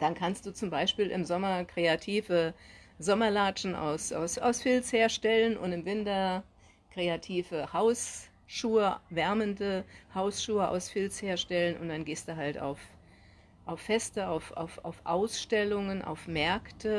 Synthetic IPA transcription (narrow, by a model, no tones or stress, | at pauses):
d̥ankʰanst̚d̥uːt͡sʊmbaɪʃpiːlʔɪ̰mzɔmɐkʁ̥eatʰiːvə | zɔmɐlaːt͡ʃn̩ʔa̰ʊsʔa̰ʊsʔa̰ʊsfɪlsheːɐʃtɛlənʊ̰ntɪmvɪntɐ | kʁ̥eatʰiːvəhaʊs | ʃuːəvɛɐməndəhaʊsʃuːəʔa̰ʊsfɪlsheːɐʃtɛlənʊ̰ntd̥anɡeːstd̥uːɦalta̰ʊf | ʔaʊfːɛstəaʊfʔa̰ʊfʔaʊfʔaʊsʃtɛlʊŋənʔa̰ʊfmɛɐktʰə